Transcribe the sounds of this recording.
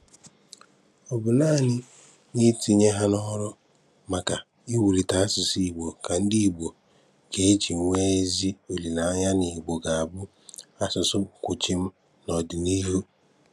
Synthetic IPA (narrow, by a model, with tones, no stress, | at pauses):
ɔ˨bʊ˨na˦˨nɪ˦ | nɪ˦ti˦ɲe˦ɦa˦nɔ˦ɾɔ˦ | ma˨ka˨ | i˦wu˨ɾi˨ta˨a˦sɪ˨si˦˨i˨ɡ͡bʷo˨ka˨n̩˦di˦˨ɡ͡bo˨ | ke˨e˦t͡ʃi˨ŋ˨˦ŋʷe˦e˦zi˦o˨li˨na˨a˦ɲa˦ni˨ɡ͡bo˨ɡa˨a˨bʊ˦ | a˦sʊ˨sʊ˦kʷʊ˨t͡ʃi˦m̩˦ | nɔ˨dɪ˨ni˦ɦu˦